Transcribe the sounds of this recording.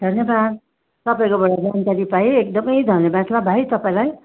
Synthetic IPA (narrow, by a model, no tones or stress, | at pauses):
d̪ʱʌnjʌbad̪̚ | t̪ʌpaĩkobʌɽad͡zankaɾipajeek̚d̪ʌmʌjd̪ʱʌnjebad̪labʱajt̪ʌpaĩlaj